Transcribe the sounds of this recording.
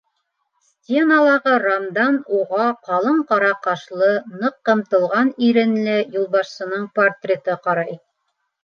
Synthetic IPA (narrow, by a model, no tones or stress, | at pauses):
sʲt̪ʲenalˠɑʁɤɾamd̪ɑnuʁɑqɑlˠɤɴqɑɾɑqɑʃlˠɤnɤqːɤ̆mt̪ɤ̆lˠʁɑniɾɘ̆nlɘjulˠbɑʃsɤ̆nɤɴport̪rʲet̪ɤqɑɾɑj